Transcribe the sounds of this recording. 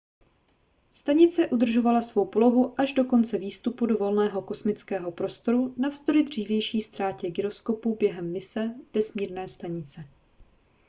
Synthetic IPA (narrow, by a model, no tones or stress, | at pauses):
st̪aɲɪt͡sɛʔud̪r̩ʒo̞valasvo̞wpo̞lo̞ɦuʔaʒdo̞ko̞nt͡sɛviːst̪upudo̞vo̞lnɛːɦo̞ko̞smɪt͡skɛːɦo̞pɾo̞st̪o̞ɾunafst̪oɾɪd̪r̝iːvjɛjʃiːst̪ɾaːcɛɡɪɾo̞sko̞puːbjɛɦɛmːɪsɛd̥ɛsmiːɾnɛːst̪aɲɪt͡sɛ